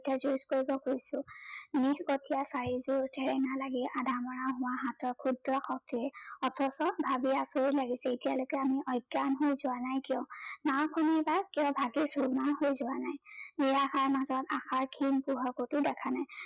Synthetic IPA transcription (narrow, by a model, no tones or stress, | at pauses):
tazuiskoɹibɔkojsʊnixkɔtʰijasaɹizʊɹtʰɛɹɛnalaɡiʔadʱamɔɹaʊɦʊ̃waɦatɔkʰudɹɔxɔk̚tiɛɔtʰɔsɔbʱabiasoɹilaɡisɛetijalojkɛamiʔɔjɡanɦojzʊanajkijɔ̃nawkʰɔnibakiɔ̃bʱaɡisuɹmahojzʊwanajmijaxʰaɹmazɔta̰xʰaɹkʰinpuɦakotʊdɛkʰanaj